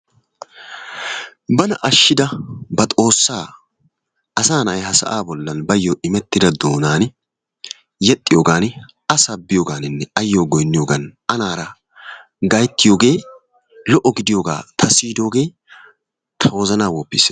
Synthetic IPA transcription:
bɐnɐʔɐʃːɪd̪ɐbɐt̪ʼo̞ːsːaː | ɐsaːnɐjhɐsɐ̰ʔaːbɔlːɐnbɐjːɔɪmɛt̪ːɪd̪ɐd̪o̞ːnaːn | jɛt̪ʼːɪjoːɡaːn | ɐsɐbːɪjoːɡaːnɪnːɛɐjːoːɡɔjnːɪjoːɡɐnʔɐnaːɾɐ | ɡɐjt̪ːɪjoːɡe̞ː | lɔʔɔɡɪd̪ɪjoːɡa̰ːt̪ʰɐsiːd̪o̞ːɡe̞ː | t̪ʰɐwɔzɐnaːwɔpːɪs

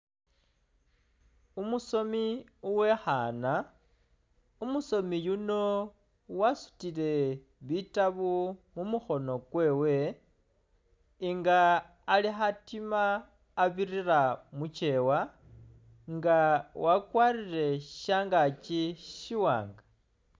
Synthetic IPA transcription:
umuso̞miuwe̞xana | umuso̞mijuno̞ | wasu̥tile̞ | βitaβumumuxo̞no̞kwe̞ːwe̞ | iŋɡaː | lixatimaː | βiriramut͡ʃe̞wa | ŋɡawʔakwarire̞ʃaːŋɡat͡ʃiʃiwa̰ːŋɡa

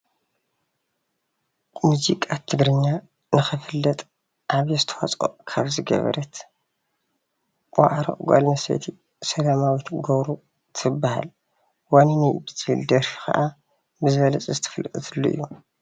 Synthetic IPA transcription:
muzikʼat̪ʰːɨɡɾɨɲːa | nɨxɨfɨlːɐt̪ʼ | ʔaβjɛzɨt̪ʰɐ̥wa̰t͡sʼo̰kʰaβzɨɡɐ̰βɐ̰ɾɐt̪ | wʷa̰ʕɾo̰ʔʼɡʷa̰lmɐsḛt̪ʰi | sɐlamawit̪ɡoβɾu | t̪ʰɨbːaha̰l | waninajbɨzild̪ɐɾfi̥kʰɐ̰ʔa | bɨzɨβɐlɐt͡sʼzɨt̪ʰɨ̥fɐlʔɨt̪ʼɨt̪ʰɨlːoʔɨ̰jːu

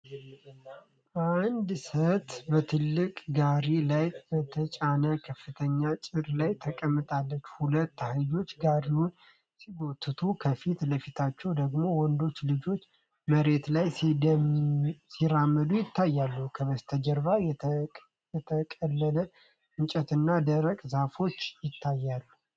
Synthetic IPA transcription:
ʔand̪sət̪bət̪ʰɨlːɨkʼɡaɾilajbət̪ʰət͡ʃʼanəkʰəfːɨt̪ʰəɲːat͡ʃʼɪɾlajt̪ʰəkʼəmːɨt̪ʼalːət͡ʃːhulət̪ːahlɨd͡ʒo̞t͡ʃːɡaɾiwun | siɡot̪ːɨt̪ʰukʰəfit̪ləfit̪ʰat͡ʃːɛwd̪əɡmo̞wɔnd̪o̞t͡ʃːlɨd͡ʒo̞t͡ʃː | məɾe̞t̪lajs | siɾamːəd̪ujɪt̪ʰːajːalːukʰəβəst̪ʰəd͡ʒəɾβaj | jɛt̪ʰəkʼəlːələ | ʔɨnt͡ʃʼət̪ɨnːad̪əɾəkʼzafo̞t͡ʃːjɪt̪ʰːajːalːu

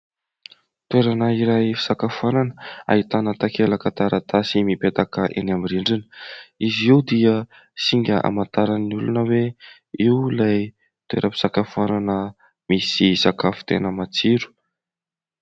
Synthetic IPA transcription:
t̪ueɾanaiɾajfi̥sakafananəa̰it̪anət̪akelakat̪aɾat̪asimipet̪akəʔenamiɾiɳɖ͡ʐinə̥iziud̪iə | siŋɡʲəʔa̰mant̪aɾanniulunəwe | iwlaj | t̪uḛɾʔəpi̥sakafananə | misisakafu̥t̪ḛnəmat͡siɾu̥

